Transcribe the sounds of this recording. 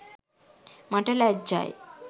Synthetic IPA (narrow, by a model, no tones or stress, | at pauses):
mãʈelɛk̚d͡ʑa̰e